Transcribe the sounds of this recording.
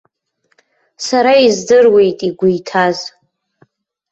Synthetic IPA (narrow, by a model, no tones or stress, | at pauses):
saɾaizdɨrwe̞jtʼiɡʷʊjtʰaz